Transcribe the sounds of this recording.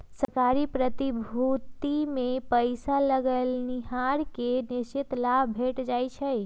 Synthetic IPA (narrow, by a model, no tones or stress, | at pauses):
səɾkaɾipɾət̪ibʱut̪imepəɪsaləɡəlniɦaɾkeniʃt͡ʃit̪labʱbʱeʈd͡ʒajt͡ʃʰəj